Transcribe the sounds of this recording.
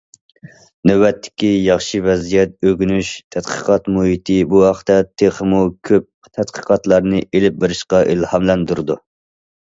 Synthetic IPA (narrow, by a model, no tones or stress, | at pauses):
nøwɛt̪ʰːɪ̥kʲijɑχʃivɛzijɛt̪̚øɡʲynyʃt̪ʰɛt̪qʰə̥qɑt̪muɦit̪ʰɪbuhɑχt̪ɛt̪ʰeχəmukʲʰøp̚ | t̪ʰɛt̪qʰə̥qɑt̪lˠɑɾnɨʔelɪp̚beɾɪʃqɑʔilhɑmlɛnd̪uɾɨd̪u